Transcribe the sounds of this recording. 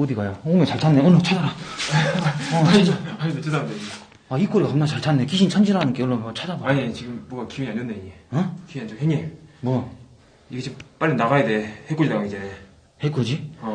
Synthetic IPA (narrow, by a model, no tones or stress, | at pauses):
od̪iɡajaoŋet͡ɕaɭt͡ɕʰanːeonot͡ɕʰad͡ʑaɾa | ʌaɲimet͡ɕedade | aik͈oɾekamnat͡ɕaɭt͡ɕʰanːe̞kiɕʰint͡ɕʰand͡ʑiɾanɯnkeɭːomʌt͡ɕʰad͡ʑabaaɲet͡ɕiɡɯmːwʌɡakiwiiaɲonːeiɲeʌkiand͡ʑoheɲemwʌ | iɡet͡ɕimp͈aɭːinaɣajedehetk͈od͡ʑidaɡid͡ʑe | het̚k͈od͡ʑi